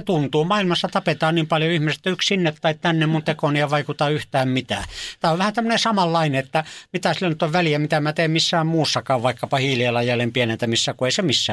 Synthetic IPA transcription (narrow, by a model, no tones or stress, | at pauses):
et̪unt̪uːmɑilmɑsːɑt̪ɑpet̪ɑːniːmpɑljoihmiset̪ːoyksinːet̪ːɑitt̪ænːemmunt̪ekoniɑʋɑikut̪ɑyht̪æːmmit̪æ̰ːt̪æːoʋʋæhænt̪æmːønesɑmɑlːɑineet̪ːæmit̪æsilːænyt̪ːoʋʋæliæmit̪æmæt̪eːmmisːæːmmuːsːɑkɑːʋʋɑikːɑpɑhiːlielɑjjælːempienent̪æmisːækueisemisːæː